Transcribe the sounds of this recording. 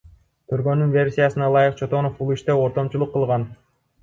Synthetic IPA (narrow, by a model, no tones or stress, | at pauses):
t̪ʰyɾɡø̞nynvʲe̞rsʲijasɯnɑlˠɑjɯqt͡ʃʰo̞t̪o̞nofbulˠiʃt̪eo̞ɾt̪o̞mt͡ʃulˠuqːɯlˠʁɑn